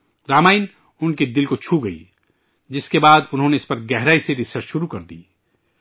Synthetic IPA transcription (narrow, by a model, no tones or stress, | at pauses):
ɾaːmaːɪn | ʊnked̪ɪlkot͡ʃʰuɡɐḭ | d͡ʒɪskebaːd̪ʊnɦõneɪspɐɾɡɛɦɾaːiseɾɪsəɾt͡ʃʃʊɾukɐɾd̪ḭː